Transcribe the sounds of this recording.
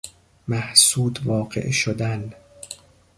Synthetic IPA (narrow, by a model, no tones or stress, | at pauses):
mæhsuːd̪vɒːɢḛʔʃod̪æn